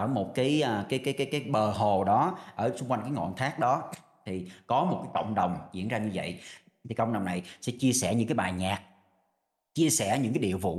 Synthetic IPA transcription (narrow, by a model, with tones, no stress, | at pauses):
ʔəː˧˩mo˨˩t̚kaː˨˦jʔəː˨˩kaː˨˦jkaː˨˦jkaː˨˦jkaː˨˦jɓəː˨˩ɦo˨˩ɗɔ˨˦ʔəː˧˩t͡ɕʊ˧ŋ͡mkwa˧jŋ̟kːaː˨˦jŋɔ̰˧˨nt̪ʰaː˦˥k̚ɗɔ˨˦ | t̪ʰi˨˩kɔ˨˦mo˨˩t̚kaː˨˦jkə̰˧˨wŋ͡mɗə˨˩wŋ͡mzḭ˧˥ənzaː˧ɲɨ˧və̰˧˨j | t̪ʰi˨˩kə̰˧˨wŋ͡mɗə˨˩wŋ͡mna˨˩jsɛ̰˧˥t͡ɕi˧əsɛ˧˩ɲɨ̰˧˥ŋkaː˦jɓaː˨˩ɲaː˨˩k̚ | t͡ɕi˧əsɛ˧˩ɲɨ̰˧˥ŋkaː˨˦jɗḭ˧˨əwvṵ˧˩˥